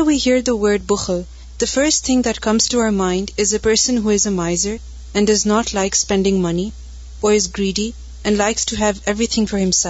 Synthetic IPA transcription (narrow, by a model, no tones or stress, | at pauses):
wihiɹðəwɜ˞d̚bʊxəl | ð̥əfɜ˞stt̪ʰɪ̃ŋðɨt̚kʰʌ̃mz̥tuaʊə˞mãɪ̃ndɪzɨpɜ˞sə̃nɦuɪzəmaɪzə˞ | ɨ̃ndʌznɔtʰlaɪkspɛ̃ndɪ̃ŋmʌni | əɹɨzɡɹiːɾi | ɨ̃nlaɪkstʰuɦævɛvɹit̪ʰɪ̃ŋfɔɹhɨ̃msɛ